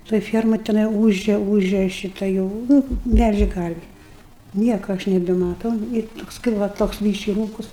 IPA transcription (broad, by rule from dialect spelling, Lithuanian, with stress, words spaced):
toːj ˈfʲiɛrmɐj tʲɛˈnɐɪ ˈuːʒʲɛ ˈuːʒʲɛ ˈʃʲɪtɐ jɛʊ ˈnʊ ˈmʲɛlʲʒʲeː ˈkɐrʲʋʲɪ ˈnʲiɛkoː ˈɐʃ nʲɛbʲɛmɐˈtɐʊ ɪr ˈtoːks kɐɪp ˈʋɐ toːks ˈbʲiːʃʲkʲɪ ˈruːkʊs